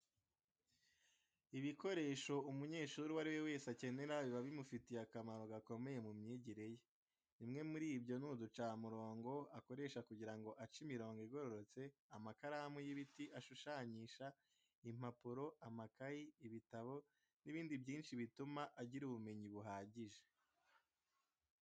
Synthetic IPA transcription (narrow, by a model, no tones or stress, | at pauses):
iβiko̞ɾe̞ːʃo̞umuɲe̞ːʃuːɾuwaɾiwe̞we̞ːsace̞ne̞ɾaβiβaβimufitijakamaɾo̞ɡako̞me̞je̞mumɲiːɟiɾe̞je | nimŋe̞muɾiːbjo̞nudut͡ʃaːmuɾo̞ːŋɡo̞ako̞ɾe̞ʃakuɟiɾaŋɡo̞ʔat͡ʃimiɾo̞ːŋɡoiɡo̞ɾo̞ɾo̞t͡se̞amakaɾahamujiβitiʔaʃuʃaːɲiʃa | im̥apuɾo̞ʔamakajiːβitaβo̞ | niβiːndibɟiːnʃiβitumaʔaɟiɾuβume̞ɲiβuɦaːɟiʒe